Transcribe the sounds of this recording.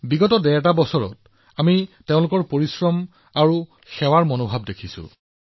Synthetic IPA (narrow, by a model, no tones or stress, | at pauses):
biɡɔtɔdɛɛt̬abɔsɔɹɔ̰t̚ | amiteʊ̃lʊkɔɹpoɹisɹɔm | aɹu | xɛwaɹmɔnobʱab̚dekʰisʊ̰